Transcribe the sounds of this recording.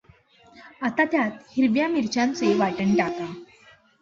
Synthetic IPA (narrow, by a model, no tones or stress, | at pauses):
at̪at̪jat̪hiɾʋjamiɾt͡ɕãnt͡seʋaʈəɳʈaka